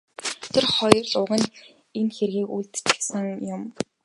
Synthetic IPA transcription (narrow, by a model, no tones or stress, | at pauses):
t̪ʰerχɔj̆rɮʊːʁə̆n | enxerɣiːkuɮt̪t͡ɕɘ̥̆sə̆ŋjʊm